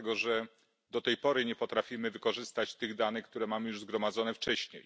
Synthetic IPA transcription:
ɛɡɔʐɛ | d̪ɔt̪ɛjpɔɾɘɲɛpɔt̪ɾafʲimɘvɘkɔʐɘst̪at͡ɕt̪ɘɣd̪anɘxk̚t̪uɾɛmamɘjuʐzɡɾɔmad̪zɔnɛft͡ʂɛɕɲej

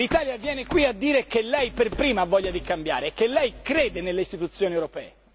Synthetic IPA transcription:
lit̪aːljavjɛːnekwiad̪ːiːɾekelːɛjperpɾiːmaavːɔʎːad̪ikambja̰ːɾekːelːɛjkɾeːd̪enelːeist̪it̪ut̪sːjoːniewɾopɛːe

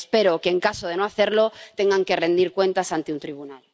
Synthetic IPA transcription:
spe̞ɾokeːŋkasoð̞e̞noaθe̞ɾlot̪e̞ŋɡaŋke̞rẽ̞nd̪iɾkwẽ̞nt̪asant̪eunt̪ɾiβ̞unal

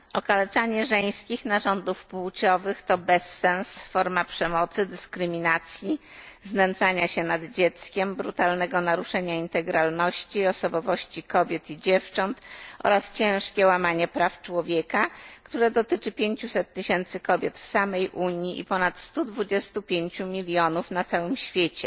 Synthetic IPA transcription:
ɔkalɛt͡ʂaɲɛʐɛj̃skʲixnaʐɔnd̪ufpuwt͡ɕɔvɘxt̪ɔbɛsːɛnsfɔɾmapʂɛmɔt̪sɘd̪ɘskɾɘmʲinat̪sʲji | znɛnd̪zaɲaɕɛnad̪d͡ʑɛt̪skʲɛmbɾut̪alnɛɡɔnaɾuʂɛɲaint̪ɛɡɾalnɔɕt͡ɕiɔsɔbɔvɔɕt͡ɕikɔbʲjɛt̪id͡ʑɛft͡ʂɔnt̪ʔɔ̰ɾast͡ɕɛ̃w̃ʂkʲɛwamaɲɛpɾaft͡ʂwɔvʲjekakt̪uɾɛd̪ɔt̪ɘt͡ʂɘpʲjeɲt͡ɕusɛt̪ːɘɕɛnt̪sɘkɔbʲjɛt̪fsamɛjʔuɲjiʔḭpɔnat̪st̪ud̪vud͡ʑɛst̪upʲjeɲt͡ɕumʲilʲjɔnufnat̪sawɘmɕfʲjet͡ɕɛ

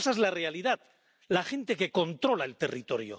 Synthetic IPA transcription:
saezlare̞aliðað | laxe̞nt̪e̞ke̞ko̞nt̪ɾo̞lae̞lt̪e̞rit̪o̞ɾjo̰

